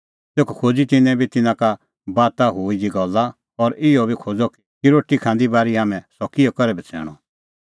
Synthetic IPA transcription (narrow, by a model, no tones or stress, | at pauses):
t̪eːkkʰoːd͡zit̪ɪnɛ̃bʱit̪ɪnãka | baːt̪aɦuːid͡ʒiɡɔlːa | ɔɾɪɔbʱikʰoːd͡zɔk | kiɾoːʈikʰãːnd̪ibaːɾiɦaːmɛ̃sɔkɪjɔkɔɾɛbɛt͡sʰɛ̰ːɽ̃ɔ